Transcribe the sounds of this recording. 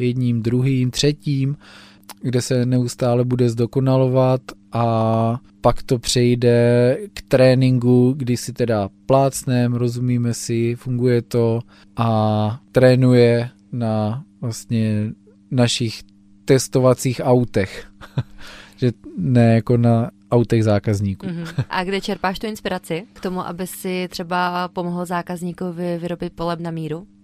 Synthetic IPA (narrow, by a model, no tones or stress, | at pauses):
jɛd̪ɲiːmd̪ɾuɦiːmt̪r̝̥ɛciːm | ɡdɛsɛnɛust̪aːlɛbudɛzdo̞ko̞nalo̞vat̪ʔa | pakt̪o̞pr̝̥ɛjdɛkt̪ɾɛːnɪŋɡuɡdɪsɪt̪ɛdaplaːt͡snɛmɾo̞zumiːmɛsɪfuŋɡujɛt̪o̞ | ʔat̪ɾɛːnujɛ | navlast̪ɲɛ | naʃɪx | t̪ɛst̪ovat͡siːxawt̪ɛx | ʒɛnɛjako̞naʔawt̪ɛɣzaːkazɲiːkuʔa̰ɡdɛt͡ʃɛɾpaːʃt̪uɪnspɪɾat͡sɪkt̪omuʔa̰bɪsɪt̪r̥ɛbapo̞moɦl̩zaːkazɲiːkuvɪvɪɾobɪt̪̚polɛbnamiːɾu